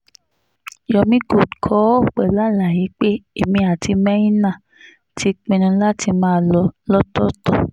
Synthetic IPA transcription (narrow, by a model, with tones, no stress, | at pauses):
jɔ˧mĩ˦ɡo˨kʰɔ˨˦˨k͡pɛ˨la˨˦la˨ji˨˦k͡pe˦e˨mĩ˧a˨ti˧mɛ̃˦ĩ˦nã˦˨ | tʰi˧˦k͡pĩ˧ñũ˧la˦ti˧mãː˦˧˨lɔ˧lɔ˦tɔ˦tɔ˦˨